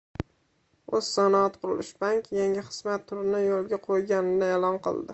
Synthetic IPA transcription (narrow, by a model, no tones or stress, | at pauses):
oz̥sanaɑt̪qʰʊɾʊlɪʃbaŋkʲjaŋʲɪχɨ̥z̥mat̪ʰːʊɾɪnɪjolˠɡʲaqʰojɡʲanɪnɪelɒnqɨ̰lˠd̪ɪ